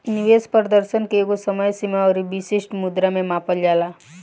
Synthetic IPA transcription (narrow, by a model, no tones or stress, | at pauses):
nɪʋespɾəd̪əɾʃənkekosəməjsimaɔːɾibiʃeʃʈmʊd̪ɾamẽmaːpəld͡ʒaːlaː